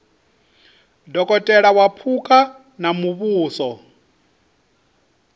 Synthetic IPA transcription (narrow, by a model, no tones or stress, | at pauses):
dɔkʼɔtʼɛɺawapʰukʼa | namuβuːsɔ